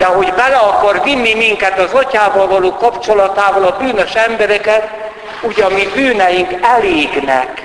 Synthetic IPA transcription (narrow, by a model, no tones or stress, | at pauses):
d̪ɛɦo̞ɟbɛlɛɒkɒrvinːimiŋkɛt̪ɒzɒcaːvɒlvɒloːkɒpt͡ʃolɒt̪aːvɒlɒbyːnø̞ʃɛmbɛɾɛkɛt̪ | uːɟɒmibyːnɛjiŋkɛleːɡnɛ̰k